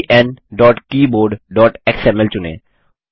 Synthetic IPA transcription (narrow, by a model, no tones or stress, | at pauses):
ʔɛnɖɔːʈkiːboːɾɖɖɔːʈeksɛmɛlt͡ʃʊnḛː